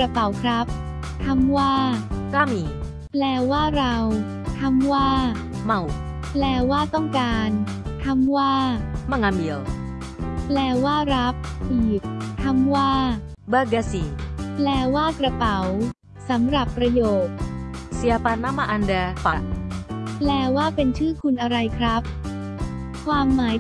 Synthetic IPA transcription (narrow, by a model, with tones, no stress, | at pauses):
kɾa˧pa˩˦wkʰɾa˦˥p̚ | t̪ʰa˧mwaː˥˩kaː˥˩miː˨˩ | plɛː˧waː˥˩ɾa˧w | t̪ʰa˧mwaː˥˩ | ma˧˩w | plɛː˧waː˥˩t̪ɔ˥˩ŋkaː˧n | t̪ʰa˧mwaː˥˩ma˧˩ŋa˧mbi˨əl | plɛː˧waː˥˩ɾa˦˥p̚ʔiː˨˩p̪̚t̪ʰa˧˥mwaː˥˩ | baː˥˩ɡa˧˩siː˨˩˦plɛː˧˩waː˥˩kɾa˧pa˩˦w | sa˩˦mɾa˨˩pːɾa˧joː˨˩t̪̚si˨˦a˧pa˧nːa˦˥mːa˧ʔa˧ndɛː˧fa˧ | plɛː˧˩waː˥˩pe˧nt͡ɕʰɯː˥˩kʰu˧nʔa˧ɾa˧jkʰɾa˦˥p̚ | kʰwaː˧mːaː˩˦j